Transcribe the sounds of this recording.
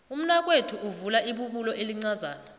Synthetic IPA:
um̩nwak̬ʼwetʰuʔuvulaʔiɓuɓulɔʔeliŋ͡ǀazaːna

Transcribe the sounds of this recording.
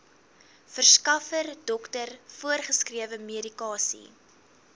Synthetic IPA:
fərskɐfərdɔktərfuərχəskriəvəmeəɾikɑːsḭ

